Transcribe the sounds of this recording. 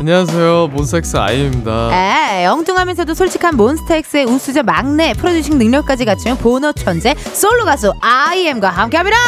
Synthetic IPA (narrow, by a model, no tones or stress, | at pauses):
aɲias̬ʰe̞jomonsʰtʰek̚s͈ɯa̰iemɲidajejʌŋtoŋɦamjʌnsʰʌdosʰoɭt͡ɕʰi̥kʰanmonsʰɯ̥tʰek̚s͈ɯeus͈ʰud͡ʑʌmaŋne̞pʰɯɾodiɕʰiŋnɯŋɲʌɭk̚k͈ad͡ʑiɡat͡ɕʰijʌnponʌt͡ɕʰʌnd͡ʑe | s͈oɭːoɡasʰoaiemɡwaɦamkʰeɦamiɾa